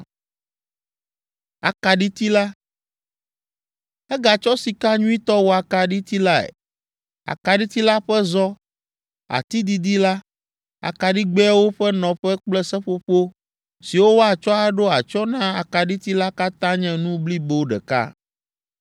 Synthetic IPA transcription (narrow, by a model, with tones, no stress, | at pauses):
a̰˨ka˨ɖi˦t̪i˦la˦ | ɛ˦ɡa˨t͡ʃɔ˦si˨ka˦ɲũ˦i˦t̪ɔ˦wo˨a˨ka˨ɖi˦t̪i˦la˦ɛ̰˨ | a̰˨ka˨ɖi˦t̪i˦la˦ɸɛ˦zɔ˦ | a̰˨t̪i˦d̪i˨d̪i˦la˦ | a̰˨ka˨ɖi˦ɡ͡bɛ˦wo˦ɸɛ˦nɔ̃˨ɸɛ˦k͡plɛ˦sɛ˦ɸo˦ɸo˦ | si˨wo˦wo˦a˨t͡ʃɔ˦a˦ɖo˦a˨t͡ʃɔ˦nã˦a˨ka˨ɖi˦t̪i˦la˦ka˦t̪ã˦ɲɛ̃˦nũ˦bli˦be˦wo˦ɖɛ̰˨ka̰˦˨